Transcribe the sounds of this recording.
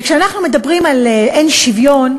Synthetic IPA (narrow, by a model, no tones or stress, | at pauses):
kʃeanaχnume̞dɐbʁimaleenʃivjo̞n